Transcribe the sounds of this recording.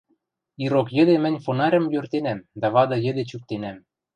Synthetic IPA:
iɾokjə̆d̪emɘ̆nʲfonɑɾʲə̆mjørt̪enæmd̪æβɑd̪ɤ̆jɘ̆d̪et͡ɕyk̚t̪enæm

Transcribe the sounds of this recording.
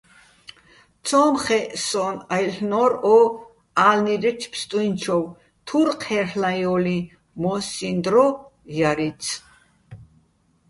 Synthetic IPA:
t̪t͡sʰɔmχɛʔsɔnajɬnɔɾɔ | alniɾɛt͡ʃʰpʰst̪ʼuint͡ʃʰɔw | t̪ʰuɾqʰhɛrlajɔli | mɔsind̪ɾɔjaɾit̪t͡sʰ

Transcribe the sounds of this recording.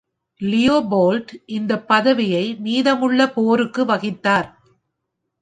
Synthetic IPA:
lɪjoːboːlʈʔɪnd̪ɐpːɐðɐʋɪjɐɪmiːðɐmɯɭːɐpoːɾɯkːɯʋɐɣɪt̪ːaːɾ

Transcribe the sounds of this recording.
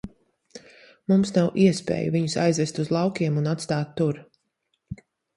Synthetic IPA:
mumsnawʔiɛspḛːjṵviɲusa̰jzvɛst̪uzlˠɑwkʲiɛmunat̪st̪aːt̪ːuɾ

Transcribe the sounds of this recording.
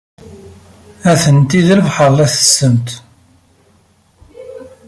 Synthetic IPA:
æθənt̪iðləvħəlˤæθə̥sːəmt̪

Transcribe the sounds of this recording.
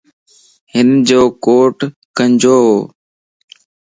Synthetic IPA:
ɦɪnd͡ʒoːkoːʈ | kəɲd͡ʒoːɦoː

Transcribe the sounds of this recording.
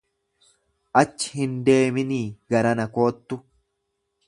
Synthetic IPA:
ʔɐt͡ʃːɪ̥hɪnd̪e̞ːmɪniːɡɐɾɐnɐko̞ːt̪ːʊ

